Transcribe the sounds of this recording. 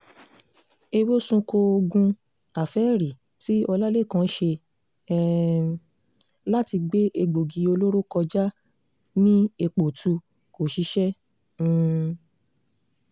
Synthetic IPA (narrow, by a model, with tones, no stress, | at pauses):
e˧wo˦sũ˧ko˧o˧ɡũ˧ | a˨fɛ˨˦ɾi˨ | ti˦ɔ˧la˦le˦˨kã˨˦ʃe˧ | la˦ti˧ɡ͡be˦ʔe˧ɡ͡bo˨ɡi˨˧o˧lo˦ɾo˦kɔ˧d͡ʒa˦ | nĩ˦e˧k͡po˨tʰu˧ | ko˨ʃi˧˦ʃɛ̃˦˨